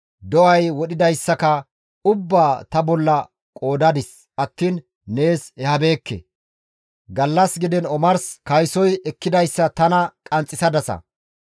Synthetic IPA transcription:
d̪ɔʔɐjwɔɗɪd̪ɐjsːɐkɐ | ʊbːaːt̪ɐbɔlːɐ | kʼo̞ːd̪ɐd̪ɪs | ʔɐt̪ːiːn | ne̞ːsɛhɐbe̞ːkːɛ̰ | ɡɐlːɐsɡɪd̪ɛnɔmɐɾskɐjsɔjɛkːɪd̪ɐjsːɐt̪ɐnɐkʼɐnt͡sʼːɪsɐd̪ɐsɐ̰

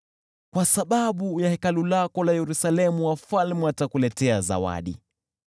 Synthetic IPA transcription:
kwasaɓaɓujahɛkalulakɔlajɛɾusalɛmuwafalmɛwatakulɛtɛaza̰wa̰ɗḭ

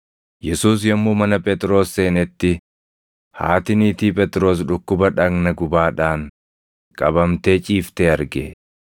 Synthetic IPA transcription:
jɛsuːs̬jɐmːuːmɐnɐpʼɛt̪ʼɾo̞ːsːe̞ːnɛt̪ːɪ | ha̰ːt̪ɪniːt̪iːpʼɛt̪ʼɾo̞ːs̬ᶑʊkːʊbɐᶑɐɡnɐɡʊbaːᶑaːŋ | kʼɐbɐmt̪e̞ːt͡ʃʼiːft̪eːɐɾɡeː

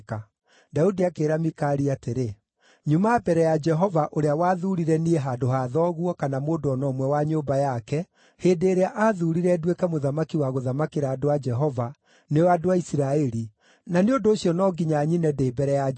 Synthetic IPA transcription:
ka | daudiakeːɾamikaːɾiateɾe | ɲumabɛɾɛjad͡ʒɛɦɔvaʔoɾeawaːðuːɾiɾɛnieɦadoɦaðɔːɣwɔkanamoːndoɔnɔːmwɛwaɲoːbajakɛ | heːdeːɾeaʔaːðuɾiɾɛdwekɛmoðamakiwaɣoðamakeɾaːdoad͡ʒɛɦɔva | newadowaisiɾaɛɾi | naneondoːɕjɔnɔɡiɲaɲinɛdeːbɛɾɛja

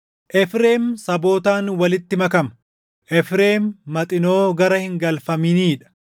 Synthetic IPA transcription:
ʔɛfɾeːmsɐbo̞ːt̪aːnwɐlɪt̪ːɪmɐkɐmɐ | ʔɛfɾeːmːɐt̪ʼɪno̞ːɡɐɾɐhɪŋɡɐlfɐmɪniːᶑɐ̥

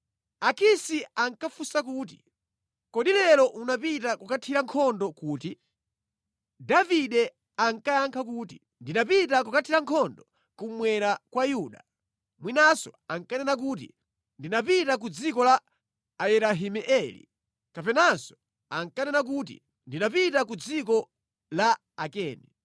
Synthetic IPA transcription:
akisiaŋkafusak̬uːt̬i̥̰ | kɔɗilɛɾɔʔunapitakukatʰiɾaŋkʰɔndɔkuːti | daviɗɛ | aŋkajaŋkʰakuːti | ndinapitakukatʰiɾaŋkʰɔndɔ | kumwɛɾakwajuɗa̰ | mwinasɔaŋkanɛnak̬uːtḭ | ndinapitak̬ud͡zikɔlaː | ɛɾaɦimɛʔɛlḭ | kapɛnansɔ̥ | aŋkanɛnak̬utḭ | ndinapitak̬ud͡zikɔ | la | akɛːni

